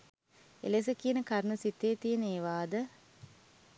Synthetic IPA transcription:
ḛles̬əkiənəkaɾnəsit̪eːt̪ijəneːʋaːd̪ə

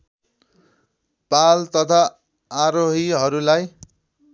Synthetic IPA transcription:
palt̪ʌt̪ʰaː | ɾoɦiɦʌɾulaj

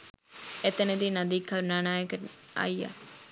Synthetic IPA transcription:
et̪ənəd̪inɐd̪iːkʰːɐɾunaːnaːjəkəa̰ja̰

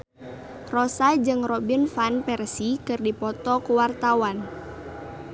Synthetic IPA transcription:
rɔsad͡ʒɨŋrɔbinfanpɛrsikɨrdipɔt̪ɔkuwart̪awan

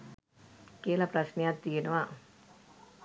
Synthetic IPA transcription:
kelapɾasniat̪ːinowa

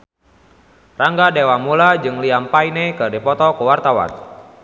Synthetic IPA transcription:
raŋɡadewamulad͡ʒɨŋliampainekɨrdipɔt̪ɔkəwart̪awa̰n

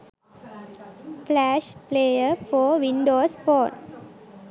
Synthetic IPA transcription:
flæːʃpleːjəɾfɔːʋɪ̃ɳɖoːsfɔːn

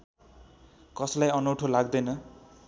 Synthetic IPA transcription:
kʌslajʌnowʈʰolaɡ̚d̪ʌjnʌ

